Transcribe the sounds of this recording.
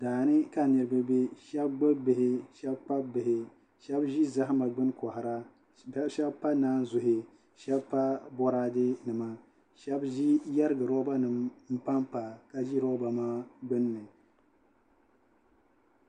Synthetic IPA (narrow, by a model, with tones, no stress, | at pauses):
daː˨nɨ˦ka˨nɨ˨ɾɨ˨˦bɨ˦be˦ʃɛ˦bɡ͡bɨ˦bɨ˨hɪ˦ʃɛ˦bpa˦bɨ˨ɦɪ˨ | ʃɛ˦bʒi˦za˦ɦɪ˦ma˨ɡ͡bɨ˦nkɔ˨hɪ˨ɾa˦ | ʃɛ˦bpa˦naː˦n˦zʊ˨ɦɪ˨ | ʃɛ˦bpa˦bɔ˦ɾa˦dɨ˦nɨ˨ma˨ | ʃɛ˦bʒi˦ja˦ɾɨ˦ɡɨ˨ɾɔ˦ba˦nɨ˨mm̩˦pa˦mpa˨ka˦ʒi˦ɾɔ˦ba˨maː˦ɡ͡bɨ˦nːɨ˨